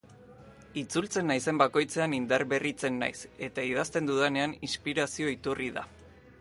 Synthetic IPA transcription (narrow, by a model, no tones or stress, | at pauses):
it͡sult͡se̞nːajse̞mbako̞jt͡se̞anind̪arβe̞rit͡se̞nːa̰jse̞t̪aiðast̪e̞nd̪uðene̞aninspiɾasio̞it̪uriða̰